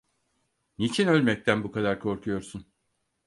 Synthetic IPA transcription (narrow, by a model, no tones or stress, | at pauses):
nit͡ʃʰinø̞lʲmɛc̚t̪ʰænbukʰad̪aɾkʰo̞ɾkʰujo̞ɾsun